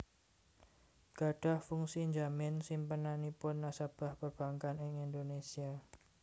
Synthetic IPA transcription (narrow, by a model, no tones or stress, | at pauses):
ɡ̥a̤ɖ̥a̤hfuŋsiɲd͡ʒamɪnsimpənanipʊnːasab̥a̤hpərb̥aŋkanɪŋindonesia